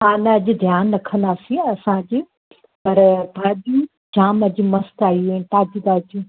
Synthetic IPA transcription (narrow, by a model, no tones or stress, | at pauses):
ɦaːnɐɐd͡ʑɪd̪ʱjaːnːɐkʰə̃nd̪aːsĩɐsãd͡ʑɪ | pɐɾbʱaːd̪u | d͡ʑaːmɐd͡ʑimɐst̪aːiuɦint̪aːd͡ʑid̪aːd͡ʑũ